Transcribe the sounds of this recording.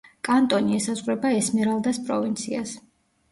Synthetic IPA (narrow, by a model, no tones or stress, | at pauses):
kʼant̪ʼɔniɛsazʁɾɛbaɛsmɛɾalˠd̪aspʼɾɔvint̪sʰias